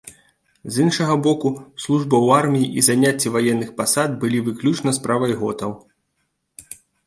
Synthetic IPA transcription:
zɨnʂɐɣɐbɔkuslˠuʐbɐwarmʲijiʔizanʲat͡sʲːɛvajɛnːɨxpasad̪̚bɨlʲivɨklʲut͡ʂnɐspɾavɐjɣɔt̪ɐw

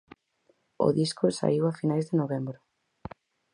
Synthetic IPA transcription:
ʊ̰ðiskʊsa̰iwafinajzðɪnoβɛmbɾʊ

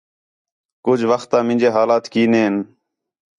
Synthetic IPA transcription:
kʊd͡ʒʋəxt̪ãːmɪ̃nd͡ʒeːɦaːlaːt̪kiːneːɦɪn

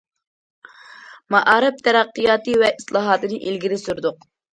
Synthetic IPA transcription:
mɑʔɑːɾɨp̚t̪ʰɛɾæqːijɑːt̪ɨvɛʔislˠɑːɦɑːt̪ɨnɨʔilɡʲid̪ɪsyɾd̪ʊq

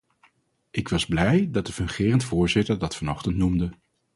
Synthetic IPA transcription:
ʔɪkʋɑzblɛjdɑt̚dəfɵŋχɪːrəntfʊːɹzɪtəɹdɑtfɑnɔχtəntnumdə

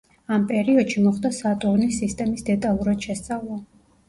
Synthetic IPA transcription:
ampʼɛɾiɔd̪ʃimɔχd̪asat̪ʼuɾnisist̪ʼɛmisd̪ɛt̪ʼalˠuɾad̪̥ʃɛst̪sʼavlˠɔ

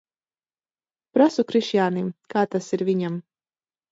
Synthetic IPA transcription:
pɾasukɾiʃjaːnimkaːt̪asiɾvʲiɲam

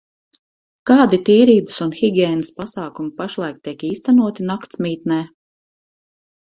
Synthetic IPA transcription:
kaːd̪it̪iːɾiːbəsunxiɡʲɛːnəspasaːkumipaʃlˠajk̚t̪iɛkiːst̪anuɔt̪inakt̪smʲiːt̪nɛː

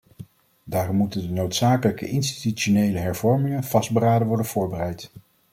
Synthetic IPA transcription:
daːrɔmːutəndənowtsaːkələkə̰ʔɪnsti̥tyt͡ʃonejləɦɛɹvɔɹmɪŋənv̥ɑzd̚bəraːdəʋɔɹdənv̥ʊːɹbərɛjt

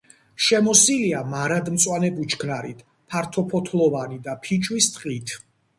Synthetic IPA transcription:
ʃɛmɔsiliamaɾad̪mt̪sʼwanɛbut͡ʃʰkʰnaɾḭt̪ʰ | pʰaɾt̪ʰɔpʰɔt̪ʰlˠɔvanid̪apʰit͡ʃʰʼwist̪ʼqʼit̪ʰ

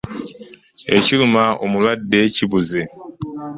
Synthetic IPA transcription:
ecilumao̰mulwadːeciβuze

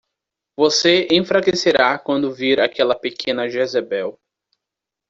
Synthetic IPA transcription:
voseẽfɾakeseɾakwɐ̃nd̪ʊviɾakʰɛlɐpekʰẽnɐʒezebɛw

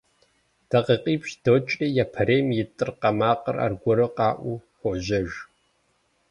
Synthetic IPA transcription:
d̥ɐqiqʼiːpʃd̥owt͡ʃʼijapʰɐɾeːjmjɪtʼɨrqɐmaːqɐra̰rɡʷɔɾɐqɑːʔʷuxʷɔʑɐʒ

